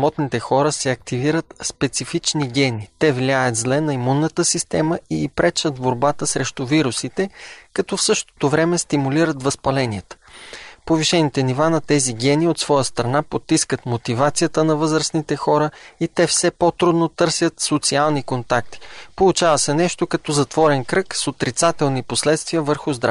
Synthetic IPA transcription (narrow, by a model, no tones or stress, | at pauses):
smɔt̪nit̪ɛxɔɾəsɛɐkt̪iviɾət̪spɛt̪sifit͡ʃniɡʲɛnit̪ɛvlʲjajət̪zlɛnɐimunːət̪əsist̪ɛməiːpɾɛt͡ʃət̪boɾbat̪əsɾɛʃt̪uviɾusit̪ɛkɐt̪ɔfsɤʃt̪o̥t̪ovɾɛmɛst̪imuliɾət̪vɐspɐlɛniɛt̪ə̥poviʃɛnit̪ɛnivanɐt̪ɛziɡʲɛniot̪svɔjəst̪ɾɐnapot̪ːiskət̪mot̪ivat̪sijət̪ənɐvɤzɾəsnit̪ɛxɔɾəit̪ɛfsɛpot̪ɾud̪not̪ɤɾsʲət̪sot̪sialˠnikont̪ak̚t̪i̥polˠut͡ʃavəsɛnɛʃt̪okɐt̪ɔzɐt̪vɔɾɛnkɾɤksot̪ɾit̪sat̪ɛlˠniposlɛt̪st̪viəvəɾxʊzd̪ɾa